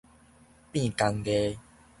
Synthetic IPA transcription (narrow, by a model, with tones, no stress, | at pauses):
pĩ˥˧˨ka˧ŋɡe˧˦